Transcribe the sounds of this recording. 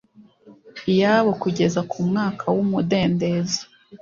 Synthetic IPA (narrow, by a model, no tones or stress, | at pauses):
ijaβokuɟe̞zakʰumŋaːkʰawumude̞ːnde̞ːzḁ